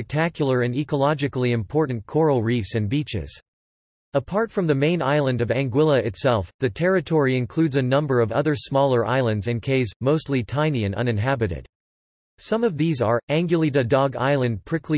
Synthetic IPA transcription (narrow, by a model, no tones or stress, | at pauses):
ɛk̚tʰækjl̩ˠə˞ɨ̃nikəlɑd͡ʒɨkl̩ˠiɨ̃mpʰɔɹʔn̩kʰɔɹl̩ˠɹifsɨ̃nbit͡ʃɪ̰z̥ | əpʰɑɹtfɹʌ̃mðɨmẽɪ̃na̰ɪlˠə̃ndʌvæ̃ŋɡwɪlˠəɨtsɛlˠfðɨtʰɛɹɨtʰɔɹiɨ̃nkʰl̥ʉdzɨnʌ̃mbə˞ʌvʌ̰ðə˞smɔlˠə˞ʔa̰ɪlˠɨ̃ndzɨ̃nkʰeɪzmoʊstˡlitʰãɪ̃niɨ̃nʌ̰̃nɨ̃nɦæbɨɾɨ̰d̥ | sʌ̃mʌvðizə˞æ̃ŋɡjl̩ˠidɨdɔɡa̰ɪlˠɨ̃npʰɹ̥ɪkʰli